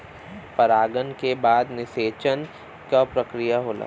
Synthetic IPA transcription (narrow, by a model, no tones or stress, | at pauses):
pɐɾaːɡənkebaːd̪nɪseːt͡ʃən | kapɾəkɾijaɦoːla̰ː